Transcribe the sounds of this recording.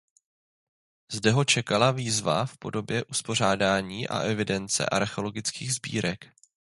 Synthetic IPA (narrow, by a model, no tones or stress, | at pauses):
zdɛɦo̞t͡ʃɛkalaviːzva̰fpo̞do̞bjɛʔuspo̞r̝aːdaːɲiːʔa̰ʔɛvɪdɛnt͡sɛ̰ʔaɾxo̞lo̞ɡɪt͡skiːɣzbḭːɾɛk